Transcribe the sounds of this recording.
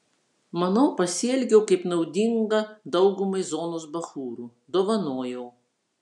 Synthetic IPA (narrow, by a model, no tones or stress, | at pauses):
mɐnɐʊpɐsʲɪɛlʲɡʲɛːkɐɪpnɐʊd̪ʲɪŋɡɐd̪ɐʊɡʊmɐɪzoːnoːsbɐxuːɾuː | d̪oːʋɐnoːjɛː